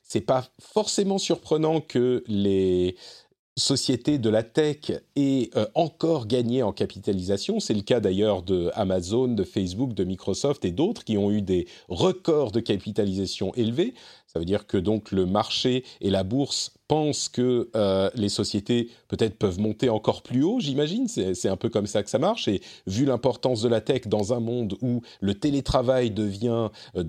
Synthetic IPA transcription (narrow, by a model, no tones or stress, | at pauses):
sɛpafɔʁsemɑ̃syʁpχənɑ̃kʰəle | sɔsjet̪ed̪əlat̪ɛkɛɑ̃kɔʁɡaɲeɑ̃kapit̪alizasjɔ̃sɛləkad̪ajœʁd̪əa̰mazond̪əfɛs̬buk̚d̪əmikχɔsɔft̪ed̪ot̪χkʲiɔ̃yd̪e | ʁəkɔʁd̪əkapit̪alizasjɔ̃ʔelvesavød̪iʁkəd̪ɔ̃kləmaʁʃeelabuʁspɑ̃skəlesɔsjet̪epøt̪ɛt̪χpœvmɔ̃t̪eɑ̃kɔʁplyoʒimaʒinsɛsɛt̪ɛ̃pøkɔmsakə̥samaʁʃevylɛ̃pɔʁt̪ɑ̃s̬d̪əlat̪ɛkd̪ɑ̃zɛ̃mɔ̃d̪u | lət̪elet̪χavajd̪əvjɛ̃